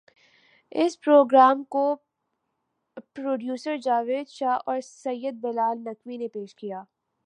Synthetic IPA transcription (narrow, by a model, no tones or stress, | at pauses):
ɪspɾoːɡɾaːmko | pɾoːɖjuːsəɾd͡ʒaːʋeːd̪ʃaːɦɔːɾsɐjːəd̪̚bɛlaːlnɐkʋinepeːʃkijaː